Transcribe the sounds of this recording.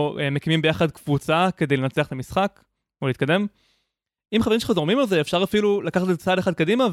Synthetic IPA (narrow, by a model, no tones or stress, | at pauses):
eme̞kimimbejaχad̚kv̥ut͡sake̞d̪ejle̞nat͡seɐχt̪amisχak | oleiːt̚kad̪e̞m | imχavimʃelχazdomimalzeːfʃaʁafilulakaχat̪̬ezet͡sadeχad̪̚kadima